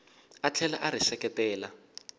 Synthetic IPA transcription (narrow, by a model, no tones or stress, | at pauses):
at͡ɬʰɛlaʔaɾisɛkɛtɛːla